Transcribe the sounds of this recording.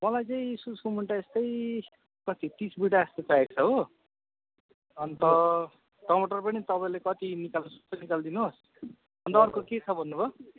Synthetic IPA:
mʌlajt͡saĩsusumuɳʈaest̪ʌj | kʌt̪it̪isbiʈaest̪et͡saek̚t͡sʰʌɦo | ʌnt̪ʌ | ʈʌmoʈʌrpʌnit̪ʌpaĩlekʌt̪inikalnsu̥st̪ʌnikald̪inus | ʌnt̪ʌːrkoket͡sʰʌbʱʌnːubʱʌ

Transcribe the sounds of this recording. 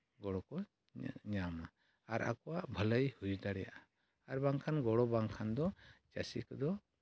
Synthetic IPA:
ɡɔɽɔkɔ | ɲama | aɾʔa̰kɔwaʔbʱələjhujd̪aɽɛja̰ʔa | aɾbaŋkʰanɡɔɽɔbaŋkʰand̪ɔt͡ʃasḭkɔd̪ɔ

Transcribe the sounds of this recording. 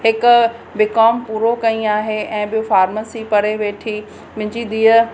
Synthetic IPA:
ɦɪkʊ | bɪkɔːmpuːɾokɐĩaːɦeʔɛ̃ːɓɪjofaːɾməsipɐɾeʋeːʈʰi | mɪ̃ɲd͡ʑid̪iːə

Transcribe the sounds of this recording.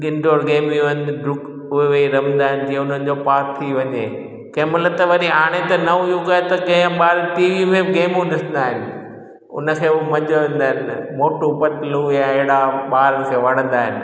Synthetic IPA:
ɡɪ̃nɖʱoːɾɡeːmiʋɐnd̪ɖʊk | ʊɦeʋeiɾɐmnd̪aːɦɪnɪd͡ʑiɦẽʊn̤ənɪ̆d͡ʑoːpaːɾt̪ʰiʋɐɲeː | kɐɦmɐlət̪ɐʋɐɾiɦaːɽ̃et̪ɐnɐujuɡaːet̪ɐɡɐ̃ə̃ɓaːɾʈiːʋimẽɡeːmũɗɪsə̃nd̪aːɦɪnɪ̆ | ʊ̰nə̆kʰeːmɐ̃d͡ʑoʋẽːnd̪aːɦɪnɪmoːʈupɐt̪lujãeɦɽaɓaːɾəkʰeːʋɐɽ̃ə̃nd̪aːɦɪnɪ̆

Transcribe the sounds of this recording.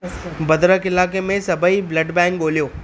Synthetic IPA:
bɐd̪ɾəkɪlaːkemẽsɐbʱəiblɐɖbɛ̃ːŋkɠoːlijoː

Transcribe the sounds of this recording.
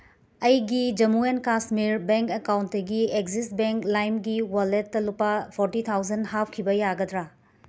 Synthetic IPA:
ɐjɡid͡ʒɐmuenkasmiɾbeŋkekawntdɐɡiekzist̚beŋklajmɡiwaletːɐlupːapʰoɾtitʰawd͡ʒɐnhap̚ʰkʰibɐjaɡɐdɾa

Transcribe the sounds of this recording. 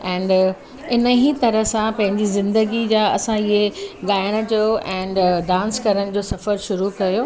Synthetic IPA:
ɛ̃ːn | ɪnəɦit̪ɐɾəsãpɐ̃ɦɪ̃ɲd͡ʑizɪ̃nd̪əɡid͡ʑaːɐ̰sãiɦeɠaːɪɽ̃ə̆d͡ʑoːɛ̃ːnɖãːnskɐɾəɽ̃d͡ʑoːsɐfəɾʃʊɾukɐjoː

